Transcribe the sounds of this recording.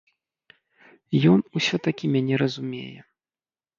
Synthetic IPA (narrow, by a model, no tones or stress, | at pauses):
jɔnusʲɔt̪akʲimʲanʲɛɾɐzumʲḛjɛ